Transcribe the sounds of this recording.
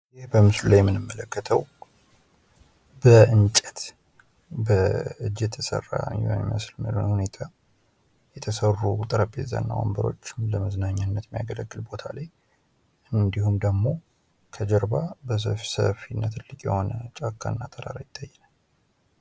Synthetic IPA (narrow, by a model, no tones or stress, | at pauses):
jɪhbəmɨslulajɛmːɨnɨmːələkːət̪ʰəw | bəʔɨnt͡ʃʼɛt̪ | bəɨd͡ʒːɛt̪ʰəsə̰rːa̰ɲɛməslmə̰lonhune̞t̪ʰa | jɛt̪ʰəsərːut̪ʼəɾəpʼːeza̰nːa̰wa̰mbəɾo̞̰t͡ʃːɪmləməznaɲːanːət̪mijaɡələɡːɨlbo̞t̪ʰalaj | ʔɨnd̪ihumd̪əɡmo̞ | kʰəd͡ʒəɾbabəs̬əfsə̰finːat̪ʰɨlːɨkʼjɛ̰ho̞nət͡ʃʼakːanːat̪ʰəɾa̰ɾajɪt̪ʰːajːɛna